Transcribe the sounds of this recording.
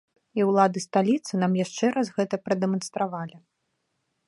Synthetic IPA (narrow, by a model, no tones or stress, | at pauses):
iwlˠad̪ɨst̪alʲit̪sɨnamjaʂt͡ʂɛɾʔazɣɛt̪ɐpɾɐd̪ɛmɐnst̪ɾavalʲi